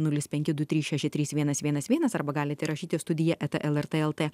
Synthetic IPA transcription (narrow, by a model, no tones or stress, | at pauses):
nʊlʲɪspʲɛŋʲkʲɪd̪ʊt̪ʲɾʲiːsʃʲɛʃʲɪt̪ʲɾʲiːsʋʲiɛnɐsʋʲiɛnɐsʋʲiɛnɐsɐɾbɐɡɑːlʲɪt̪ʲɛɪɾɐʃʲiːt̪ʲest̪ʊd̪ʲɪjɛʔɛt̪ɛʔɛlˠɛɾt̪eːɛlˠt̪eː